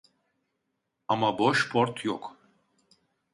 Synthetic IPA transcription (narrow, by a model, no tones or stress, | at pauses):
amabɔʃpʰɔɾt̪ʰjɔkʰ